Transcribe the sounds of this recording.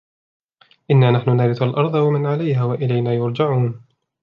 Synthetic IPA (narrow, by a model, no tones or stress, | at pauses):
ʔɪnːaːnaħnʊnaːɾɪθalʔɑɾˤd̪ˤɑwamɪnʕalajhaːwaʔɪlajnaːjʊɾˤd͡ʒaʕuːn